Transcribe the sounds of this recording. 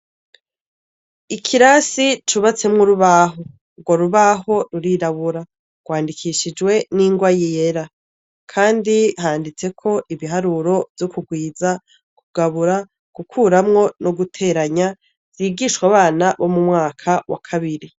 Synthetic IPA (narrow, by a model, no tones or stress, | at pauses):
ikʰiɾasit͡ʃuβat͡se̞mŋuɾuβaɦo | ɡwoɾuβaɦo̞ɾuɾiɾaβuɾa | ɡ̥waːndikʰiʃid͡ʒwe̞niːŋɡwajijeɾa | kʰaːndihaːndit͡se̞kʰo̞ʔiβiɦaɾuɾo̞vjokuɡwiːza | kuɡ̥aβuɾa | ɡ̥ukʰuːɾamŋo̞noɡutʰe̞ɾaɲa | z̥iːɡiʃwaβaːnaβo̞mumŋaːkʰawa̰kʰaβiɾi